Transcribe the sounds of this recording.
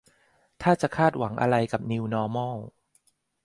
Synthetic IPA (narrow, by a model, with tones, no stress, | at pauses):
t̪ʰaː˥˩t͡ɕa˨˩kʰaː˥˩t̪̚wa˩˦ŋʔa̰˧ɾa˧jka˨˩p̚ni˧wnɔː˧mɔː˥˩